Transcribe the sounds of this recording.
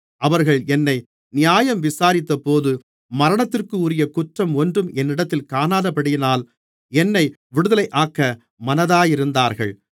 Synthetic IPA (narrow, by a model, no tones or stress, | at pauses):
ʔɐʋɐɾɣɐɭɛnːɐɪ | nɪjaːjɐmʋɪsaːɾɪt̪ːɐpoːðɯ | mɐɾɐɳɐt̪ːɪrkɯʊɾɪjɐkʊʈrɐmɔndrɯmʔɛnːɪɽɐt̪ːɪlkaːnaːðɐpːɐɽɪjɪnaːl | ɛnːɐɪ | ʋɪɽɯðɐlɐɪʔaːkːɐ | mɐnɐðaːjɪɾɯnd̪aːɾɣɐ̰ɭ